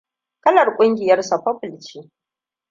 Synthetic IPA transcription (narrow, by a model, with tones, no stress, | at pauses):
kɐ˦lɐ˨rkʷʼʊ˦ŋɡʲɪ˨jɐ˦rsa˨ɸɐ˦ɸʊ˨lt͡ʃiː˦